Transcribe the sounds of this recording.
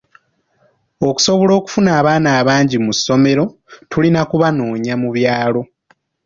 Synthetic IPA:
o̞ku̥so̞βo̞lo̞ːku̥funaːβaːnaːβaːɲɟimusːo̞me̞ɾo̞tulinakuβano̞ːɲamuβjaːlo̞

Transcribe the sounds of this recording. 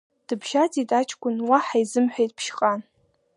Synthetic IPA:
d̥ɨbʒat͡sʼitʼat͡ʃʼʰkʷʼʊnwaħajzɨmħʷᶣejtʼpʰʃχʼan

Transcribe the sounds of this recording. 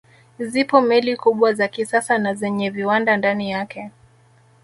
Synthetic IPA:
zipɔmɛlikuɓwazakisasanazɛɲɛviwandandanijakʰɛ

